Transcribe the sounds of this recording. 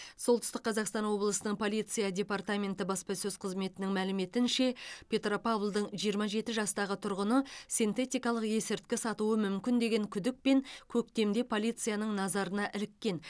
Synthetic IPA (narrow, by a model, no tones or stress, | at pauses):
so̞lˠt̪ʏst̪əqʰːɑzɑqst̪ɑnwo̞blˠəsənəɴpʰo̞lʲˠijt̪sɨjadʲe̞pɑrt̪amʲe̞nt̪ɪbɑspɑsɵzqʰəzme̞t̪ɪnɪŋmælɪme̞t̪ɪnʃe̞pʲʰe̞t̪ro̞pavlˠd̪əɴʒijəɾmɑʒe̞t̪ɪʒɑst̪ɑʁət̪ʰʊɾʁənəsint̪e̞t̪ʲijkɑlˠəqje̞sɪɾt̪̚kʲɪsɑt̪uwəmʏmkʲɪnd̪e̞ɡʲe̞ŋkʲʰʏd̪ɪk̚pe̞ŋkʲʰɵk̚t̪e̞md̪e̞pʰo̞lʲˠijt̪sɨjanəɴnɑzɑɾənɑʔɪlɪkʲːe̞n